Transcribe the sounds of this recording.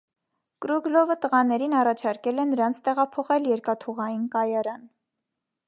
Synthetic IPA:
kɾuɡlɔvət̪əʁɑnɛɾinɑrɑt͡ʃʰɑɾkɛlɛnəɾɑnt͡sʰt̪ɛʁɑpʰɔχɛljɛɾkɑt̪ʰuʁɑjinkɑjɑɾɑn

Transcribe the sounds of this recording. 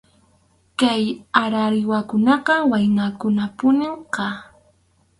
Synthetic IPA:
kajaɾaɾɪwakʊnɑqɑwajnakʊnapʊnɪmɢɑ

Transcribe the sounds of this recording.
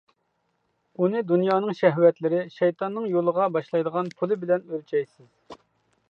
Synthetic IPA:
unɨd̪unjɑːnɨŋʃɛɦwɛt̪lɪɾɪʃɛjt̪ʰɑnːɨŋjolˠəʁɑbɑʃlˠɑjd̪əʁɑnpʰulˠɨbɪlɛnølt͡ʃʰɛjsɪz̥

